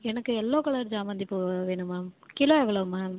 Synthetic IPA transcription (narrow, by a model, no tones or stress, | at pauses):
ɛnɐkːɯɛlːoːkɐɭɐɾd͡ʒaːʋɐnd̪ɯɪpːoːɣɐʋeːɳɯmaːkɪloːɛʋɐɭɐɯmaː